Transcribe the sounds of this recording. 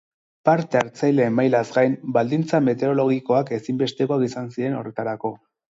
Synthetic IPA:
paɾt̪e̞aɾt͡sajle̞ːmajlazɡajmbald̪int͡same̞t̪e̞ɾo̞lo̞ɣ̞iko̞ake̞simbe̞st̪e̞koakisansiɾe̞no̞re̞t̪aɾako̞

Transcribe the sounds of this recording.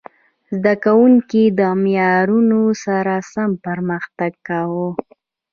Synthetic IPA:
zd̪akawuŋkid̪əmjɑɾunosaɾasampəɾməxt̪aɡ̚kawo

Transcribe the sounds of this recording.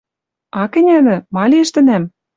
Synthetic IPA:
ɑkɘ̆nʲæd̪ɘ̆mɑlʲiə̆ʃt̪ɘ̆næm

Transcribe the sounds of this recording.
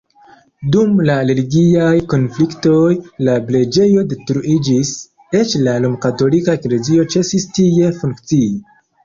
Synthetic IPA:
dumlaɾe̞liɡiajko̞nflikto̞jlaple̞d͡ʒe̞jo̞de̞tɾuʔid͡ʒis | e̞t͡ʃlalomkato̞likaekle̞zio̞t͡ʃe̞sistie̞fuŋkt͡sii

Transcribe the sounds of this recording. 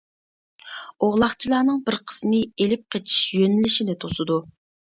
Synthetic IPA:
oʁlˠɑχt͡ʃʰilˠɑːnɨŋbɪɾqʰə̥smɨelɪp̚qʰet͡ʃʰi̥ʃjønɪlɪʃinɪt̪ʰosɨd̪u

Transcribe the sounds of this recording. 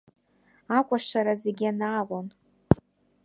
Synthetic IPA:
akʷʼaʂaɾazeɡʲianaːlon

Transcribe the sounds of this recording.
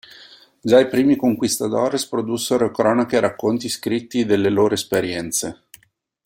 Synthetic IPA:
d͡ʒaipɾiːmikoŋkwist̪ad̪ɔːɾespɾod̪usːeɾokɾɔːnakeɾakːont̪iskɾit̪ːid̪elːeloːɾoespeɾjɛnt̪se

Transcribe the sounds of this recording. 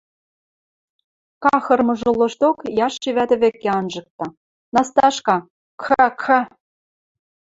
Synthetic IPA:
kɑxɤ̆rmɤ̆ʒŏlɤ̆ʃt̪okjɑʃːeβæt̪ɘ̆βekːeɑnʒɤ̆k̚t̪ɑ | nɑst̪ɑʃkɑ | kʰɑkʰɑ

